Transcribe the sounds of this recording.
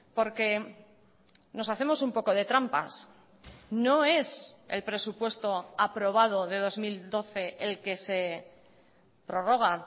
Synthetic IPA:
po̞ɾke̞ | no̞saθe̞mo̞sumpo̞ko̞ð̞e̞t̪ɾampa̰s | no̞e̞se̞̰lpɾe̞supwe̞st̪o̞apɾo̞β̞að̞o̞ð̞e̞ð̞o̞zmild̪o̞θe̞ʔelke̞se̞ | pɾo̞ro̞ɣ̞a

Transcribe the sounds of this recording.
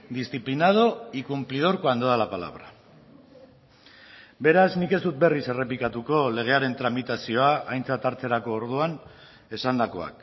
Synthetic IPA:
d̪isθiplinað̞o̞ikumplið̞o̞ɾko̞and̪oðalapala̰β̞ɾa | be̞ɾaznike̞st̪ut̪̚be̞rise̞re̞pikat̪uko̞le̞ɣ̞e̞aɾe̞nt̪ɾamit̪asio̞aʔajnt͡sat̪aɾt͡se̞ɾako̞ːɾð̞uan | e̞sand̪ako̞a̰k

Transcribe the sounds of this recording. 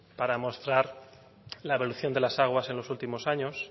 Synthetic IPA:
paɾamo̞st̪ɾaɾ | laeβo̞luθjo̞nd̪e̞lasaɣ̞wase̞nlo̞sult̪imo̞saɲo̞s

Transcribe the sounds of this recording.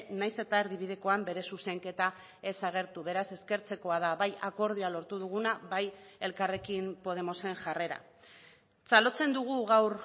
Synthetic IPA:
najse̞t̪aeɾðiβ̞iðe̞ko̞ambe̞ɾe̞suse̞ŋke̞t̪a | e̞saɣ̞e̞ɾt̪uβ̞e̞ɾase̞ske̞ɾt͡se̞ko̞aðaβajako̞ɾð̞ialo̞ɾt̪uð̞uɣ̞unaβaje̞lkare̞kimpo̞ðe̞mo̞se̞ŋʝare̞ɾa̰ | salo̞t͡se̞nd̪uɣ̞uɣawɾ

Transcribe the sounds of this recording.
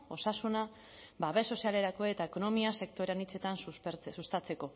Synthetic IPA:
o̞sasuna | baβe̞so̞siale̞ɾako̞e̞t̪aeko̞no̞miase̞kt̪o̞ɾeanit͡se̞t̪ansuɾsust̪at͡se̞ko̞

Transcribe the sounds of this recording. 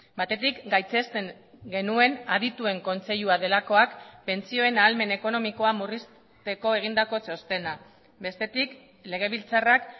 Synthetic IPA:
bat̪e̞t̪ikɡajt͡se̞st̪e̞ŋ | ɡe̞nue̞naðit̪ue̞ŋko̞nt͡se̞ʎuað̞e̞lako̞akpe̞nt͡sio̞e̞naːlme̞ne̞ko̞no̞miko̞amuris | t̪e̞ko̞e̞ɣ̞ind̪ako̞t͡so̞st̪e̞na | be̞st̪e̞t̪ik | le̞ɣ̞e̞β̞ilt͡sarak

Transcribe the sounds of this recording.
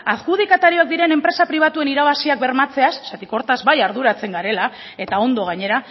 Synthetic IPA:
askuð̞ikat̪aɾio̞ak̚d̪iɾe̞ne̞mpɾe̞sapɾiβ̞at̪ue̞niɾaβ̞asiak̚be̞ɾmat͡se̞asːat̪iko̞ɾt̪azbajaɾð̞uɾat͡se̞ŋɡaɾe̞la | e̞t̪ao̞nd̪o̞ɣ̞aɲe̞ɾa

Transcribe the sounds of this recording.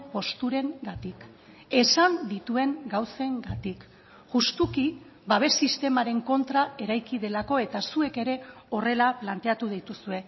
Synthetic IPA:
po̞st̪uɾe̞ŋɡat̪ik | e̞sand̪it̪ue̞ŋɡawse̞ŋɡat̪ik | ʝust̪uki | baβ̞e̞sːist̪e̞maɾe̞ŋko̞nt̪ɾae̞ɾajkiðe̞lako̞e̞t̪asue̞ke̞ɾe̞o̞re̞laplant̪e̞at̪uð̞ijt̪usue̞

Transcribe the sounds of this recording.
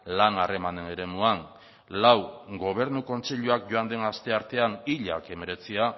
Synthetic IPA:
lanare̞mane̞ne̞ɾe̞muaŋ | lawɡo̞β̞e̞ɾnuko̞nt͡seʎuak̚ɟo̞and̪e̞nast̪e̞aɾt̪e̞aniʎa̰ke̞me̞ɾe̞t͡sia

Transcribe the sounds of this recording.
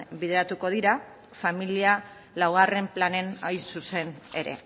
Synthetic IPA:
biðeɾat̪uko̞ð̞iɾa | familia | lawɣ̞are̞mplane̞najsuse̞ne̞̰ɾe̞̰

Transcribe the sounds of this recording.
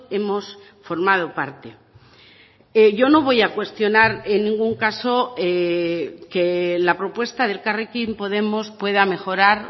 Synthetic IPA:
e̞mo̞s | fo̞ɾmað̞o̞paɾt̪e | eʝo̞no̞β̞o̞jakwe̞st̪jo̞naɾe̞nːĩŋɡuŋkaso̞e | kelapɾo̞pwe̞st̪aðe̞lkarekimpo̞ðe̞mo̞spwe̞ðamexo̞ɾaɾ

